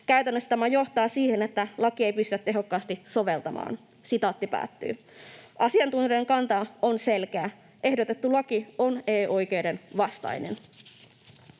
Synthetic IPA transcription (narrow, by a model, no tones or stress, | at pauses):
kæɥt̪ænːøst̪æmæjo̞ht̪ɑːsiːhenet̪ːælɑkie̞jpyst̪yæt̪ːe̞ɦo̞kːɑːst̪iso̞ʋe̞lt̪ɑmɑ̰ːn | sit̪ɑːt̪ːipæ̰ːt̪ːy̰ː | ʔɑsiɑnt̪unjie̞ŋkɑnt̪ɑo̞nse̞lk̟eæː | ʔe̞hdo̞t̪e̞t̪ːulɑkione̞ːʔo̞jk̟e̞wde̞nʋɑst̪ɑ̰jnḛn